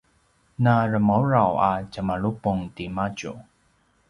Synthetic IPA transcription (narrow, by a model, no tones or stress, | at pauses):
naɾəmawɹawacamaɭupʊŋtimaɟṵ